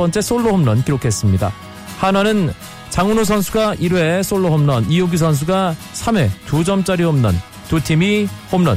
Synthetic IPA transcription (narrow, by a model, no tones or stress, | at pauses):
p͈ʌnt͡ɕ͈e̞s͈oɭːohomnʌnkiɾokʰe̞s͈ɯmɲida̰ | hananɯn | t͡ɕaŋunos̬ʰʌnsʰuɡaiɾwe̞s͈ʰoɭːoɦomnʌnijoɡis̬ʰʌns̬ʰuɡa | sʰame̞tud͡ʑʌmt͡ɕ͈aɾihomnʌ̰n | tutʰimihomnʌ̰n